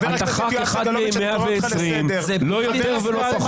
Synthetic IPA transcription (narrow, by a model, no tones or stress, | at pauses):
at̪aχakeχad̪memeaveːsʁim | lo̞jot̪eʁveloa